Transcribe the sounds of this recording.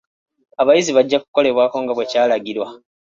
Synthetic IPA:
aβajiziβaɟːaku̥ko̞le̞βwaːko̞ŋɡaβwe̞caːlaɡiɾwa

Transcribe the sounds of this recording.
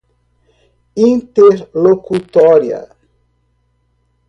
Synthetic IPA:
ĩnt̪eɾlokut̪ɔɾja̰

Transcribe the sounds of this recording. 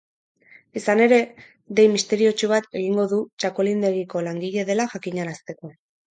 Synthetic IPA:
isane̞ɾe̞ | d̪ejmist̪e̞ɾio̞t͡ʃuβ̞at̪e̞ɣ̞iŋɡo̞ðut͡ʃako̞lind̪e̞ɣiko̞laŋɡiʎe̞ðe̞laʝakiɲaɾast̪e̞ko̞

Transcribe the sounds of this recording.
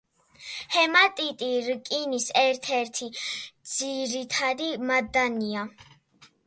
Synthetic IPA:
hɛmat̪ʼit̪ʼiɾkʼinisɛɾt̪ʰɛɾt̪ʰid̪z̥iɾit̪ʰad̪imad̪ania

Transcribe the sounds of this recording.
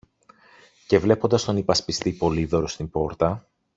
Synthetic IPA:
ce̞vle̞po̞nd̪ɐst̪o̞nipɐspist̪ipo̞liðo̞ɾost̪imbo̞ɾt̪ɐ

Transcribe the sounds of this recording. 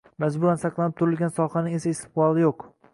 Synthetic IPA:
mazbʊlansɑqlˠanɪp̚t̪ʰʊɾɪlɡʲansɒχanɪŋe̞saɪst̪ɪ̥qbɒlˠɪjoq

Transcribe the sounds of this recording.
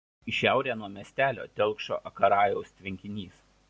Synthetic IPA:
ɪʃʲæˑʊɾʲeːnuɔmʲiɛsʲt̪ʲæːlʲo̰ːt̪ʲɛlˠˑkʃo̰ːʔɐkɐɾɑːjɛʊst̪ʲʋʲɪŋʲkʲɪnʲiːs

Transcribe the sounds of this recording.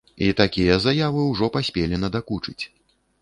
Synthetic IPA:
it̪akʲijɛzajavɨwʐɔpasʲpʲelʲinɐd̪akut͡ʂɨt͡sʲ

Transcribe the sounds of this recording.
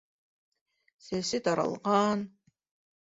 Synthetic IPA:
sesɪd̪aɾa̰lˠʁɑːn

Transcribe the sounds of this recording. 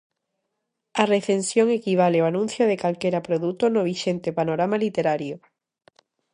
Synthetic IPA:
areθensjoŋekiβ̞aleoanũn̟θjoð̞ekalkeɾapɾoðut̪onoβ̞iʃent̪epanoɾamalit̪eɾaɾjo

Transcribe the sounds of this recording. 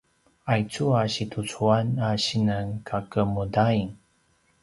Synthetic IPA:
ajt͡suaɕitʰut͡suanaɕinənkʰakəmudaiŋ

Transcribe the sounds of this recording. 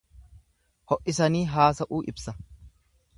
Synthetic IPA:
hɔʔʔɪsɐniːɦaːsɐʔuːʔɪbsɐ

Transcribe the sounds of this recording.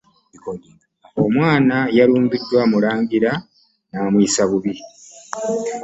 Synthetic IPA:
omwaːnajaluːmbidːwamulaːŋɡiɾa | naːmwiːsaβuβi

